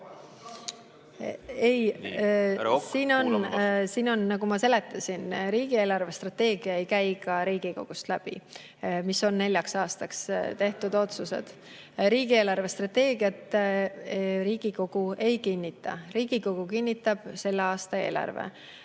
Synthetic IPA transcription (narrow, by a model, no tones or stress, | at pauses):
e̞j | siːno̞nsiːno̞nnɑɡ̥umɑse̞let̪ːˑɑsʲinɾiːɡ̥ie̞ːlɑrve̞st̪rɑt̪e̞ːɡiɑe̞jkæjkɑɾiːɡ̥iko̞̰ɡ̥ust̪læb̥ḭ | miso̞nne̞lʲjɑksɑːst̪ɑkst̪e̞ht̪ud̪̥o̞t̪suse̞̰d̪̥ | ɾiːɡie̞ːlɑrve̞st̪rɑt̪e̞ːɡiɑt̪ːˑ | ɾiːɡ̥iko̞ɡ̥ue̞jkinʲːit̪ːˑɑ̰riːɡ̥iko̞ɡ̥ukinʲːit̪ːˑɑb̥se̞lːeɑːst̪ɑe̞̰ːlʔɑ̰rvḛ